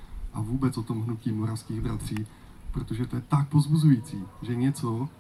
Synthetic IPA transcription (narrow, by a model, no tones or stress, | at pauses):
ʔavuːbɛt͡sʔot̪o̞mɦnuciːmoɾafskiːɣbɾat̪r̝̥iː | pɾot̪oʒɛt̪ojɛt̪ak̚pozbuzujit͡siːʒɛɲɛt͡so